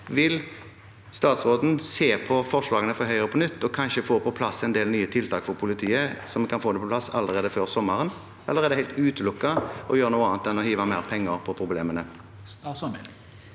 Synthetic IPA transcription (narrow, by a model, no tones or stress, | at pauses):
ʋɪl | st̪ɑːt̪sʁoːd̪n̩seːpʰɔfɔʁʂlɑːɡənəfɔɦœʏəʁəpʰɔnʏt̪ːɔkʰɑnʃəfoːpʰɔpʰlɑsɛnd̪eːlnyːət̪ʰɪlt̪ʰɑːkfɔɾpʰʊlɪt̪ʰiːəsɔmɛkɑnfoːd̪ɛpʰɔpʰlɑsːɑ̰lːəʁeːd̪əføːʁsɔmːɑʁən | ɑlːəʁeːd̪ɛhæɪlt̪ʉːt̪əlʊkːɑɔjøːɾənuːɑːnnt̪ɛnːɔhiːʋɑmæːʁpʰɛŋːəɾpʰɔpʰɾʊblḛːmənə